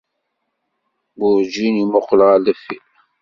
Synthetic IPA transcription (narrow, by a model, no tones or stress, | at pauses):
bʊɾd͡ʒinimʊqːlʁəlæfːil